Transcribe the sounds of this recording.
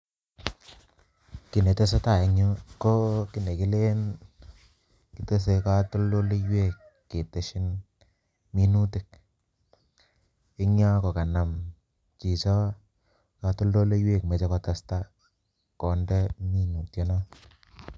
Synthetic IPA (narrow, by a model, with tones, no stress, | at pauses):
ki˨ne˨te˦s̬a˦ta˨e˨ɲo˦ko˦ki˦ne˨ki˦le˦n | ki˦te˦s̬e˧ka˦to˦ldo˦le˦jwe˦˨kː | e˨te˨ʃɪ˦n | mi˦nu˦tɪ˨k̚ | ɪ˦ŋa˦kɔ˨ka˨na˨m | t͡ʃi˨t͡ʃɔ˦ | ka˨˧tu˦ldo˦le˦jwe˦˨kme˨t͡ʃe˦kɔ˨ta˨sta˦ | kɔ˨ndɛ˦mi˦nu˨tje˨˦na˦